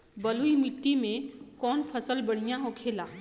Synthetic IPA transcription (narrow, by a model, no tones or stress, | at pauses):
bəluimɪʈːimẽkɔːnpʰəsəlbəɽ̤ijãɦokʰeːlaː